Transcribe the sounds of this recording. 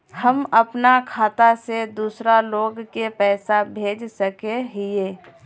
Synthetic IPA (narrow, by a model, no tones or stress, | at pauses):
həməpnakʰaːt̪ased̪uːsɾaloːɡkepɛːsabʱeːd͡ʒsəkeɦieː